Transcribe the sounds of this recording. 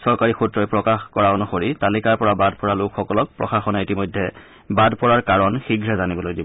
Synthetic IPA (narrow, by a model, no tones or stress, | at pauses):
sɔɹkaɹixutɹɔjpɹɔkaxkɔɹaonuxoɹitalikaɹpɔɹabadpɔɹalʊkxɔkɔlɔk̚pɹɔ̰xaxɔnaitimɔjdʱːɛ | badpɔɹaɹkaɹɔnxiɡʱɹɛzanibɔlojdibɔ